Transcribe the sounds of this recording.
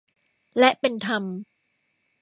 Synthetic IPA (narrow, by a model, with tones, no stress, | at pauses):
lɛ˦˥ʔpe˧nt̪ʰa˧m